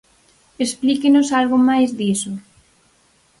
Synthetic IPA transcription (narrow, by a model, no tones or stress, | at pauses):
esplikenosalɣomajzðiso